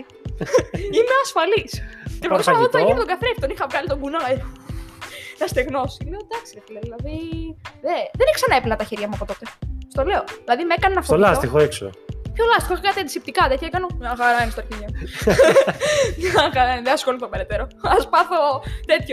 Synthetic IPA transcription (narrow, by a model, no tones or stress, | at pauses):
imeɐsfɐliscepɾt̪osɐɐvot̪int̪oɡɐθɾefi̥t̪onixɐvɾɐnit̪oɡunɐj | nɐst̪eɣno̞si̥leod̪ɐksiðet̪ileoðilɐðiðeðeneksɐnɐeplenɐt̪ɐçeɾʝɐmuɐpo̞t̪o̞t̪est̪o̞le̞oðilɐðimekɐnenɐfoolɐsixoekso̰pçolɐst̪ixoexɐkɐt̪end̪isip̚t̪ikɐðet̪iekɐno̞ɲɐxɐɾɐinist̪oɾçiɲemu | ɐxɐɾɐðeɐsxolit̪obeɾet̪eɾoɐspɐθo̞t̪e̞t̪ço